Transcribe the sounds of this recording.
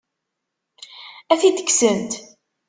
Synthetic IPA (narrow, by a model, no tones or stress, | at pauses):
æθid̪ə̥ksənt̪